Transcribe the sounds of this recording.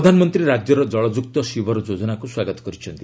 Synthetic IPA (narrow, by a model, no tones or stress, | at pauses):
d̪ʱanmʌnt̪ɾiɾad͡ʒjʌɾɔɔɭɔd͡ʒuk̚t̪ɔʃiʋɔɾɔd͡ʒod͡zɔnakuswaɡət̪kɔɾit͡ʃʰʌnt̪i